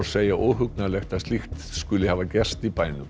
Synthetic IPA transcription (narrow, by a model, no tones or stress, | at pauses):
ɾ̥seːjaʔowɦʏk̚nalɛxt̪aðst̪ixt̪skʏlɪhaːvacɛrst̪ipaːjnʏ